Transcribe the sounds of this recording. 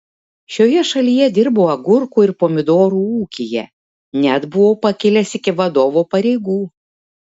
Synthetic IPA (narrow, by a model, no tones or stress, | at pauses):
ʃʲoːjɛʃɐlʲiːjɛd̪ʲɪɾboːɐɡʊɾkuːɪɾpoːmʲɪd̪oːɾuːuːkʲijɛ̰ | nʲɛd̪bʊʋoːpɐkʲɪlʲɛsɪkʲɪʋɐd̪oːʋoːpɐɾʲɛɪɡuː